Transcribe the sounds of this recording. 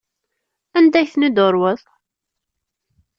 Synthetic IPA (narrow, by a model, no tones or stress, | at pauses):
ænd̪æçθnəd̪ʊɾˤwəðˤ